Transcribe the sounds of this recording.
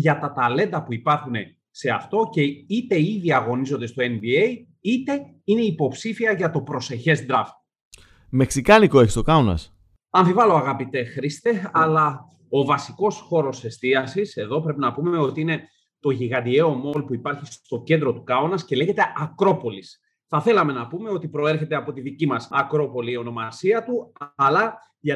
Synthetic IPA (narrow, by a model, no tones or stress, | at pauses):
ʝɐt̪ɐt̪ɐle̞nd̪ɐpuipɐɾxune̞ | se̞ɐ̰ft̪o̞ce̞it̪e̞iðiɐɣo̞nizo̞nd̪est̪o̞e̞nbiej | it̪e̞ | ine̞ipo̞psifiɐʝɐt̪o̞pɾo̞se̞çe̞zd̪ɾɐf | me̞ksikɐlikoeçi̥st̪o̞kɐonɐ̰s | ɐnðivɐlo̞ɐɣɐpit̪e̞xɾist̪e̞ɐlɐ | o̞vɐsiko̞sxo̞ɾo̞se̞st̪iɐsise̞ðo̞pɾe̞pinɐpume̞o̞t̪iine̞ | t̪o̞ʝiɣɐnd̪ie̞o̞mo̞lpuipɐɾçist̪o̞ce̞nd̪ɾo̞t̪ukɐonɐsce̞le̞çe̞t̪e̞ɐkɾo̞po̞lis | θɐθe̞lɐme̞nɐpume̞o̞t̪ipɾo̞e̞ɾçet̪eɐpo̞t̪iðicimɐsɐkɾo̞po̞liːo̞no̞mɐsiɐt̪uɐlɐ | ʝɐ